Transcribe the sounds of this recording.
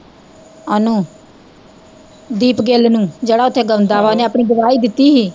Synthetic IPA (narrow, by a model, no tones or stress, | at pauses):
ənũː | d̪iːpɡeːlnũːd͡ʒeːɽaːʊt̪ʰːeːɡənd̪aːʋaːoneːaːpɳ̃ĩːɡʊʋaːiːd̪ɪt̪ːiːɦiː